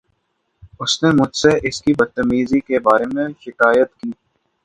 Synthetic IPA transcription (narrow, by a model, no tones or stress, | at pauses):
ʊsnemʊd͡ʒʱseʔɪskibɐd̪̚t̪ːəmiːzikebaːɾemẽʃɪkaːjət̪kiː